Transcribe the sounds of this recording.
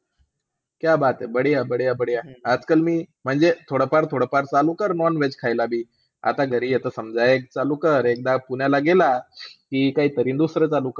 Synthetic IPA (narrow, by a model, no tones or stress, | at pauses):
kjabat̪ebəɽijabəɽijabəɽijaad͡zkəlmiːm̤əɳd͡zet̪ʰoɽəpaɾt̪ʰoɽəpaɾt͡salukəɾnɔnʋed͡zkʰajlabʱiː | a̰t̪aɡʱəɾiːjɛt̪əsəmd͡zajek̚t͡salukəɾek̚d̪apunjalaɡelakikaɦiːt̪əɾiːnd̪usɾət͡salukə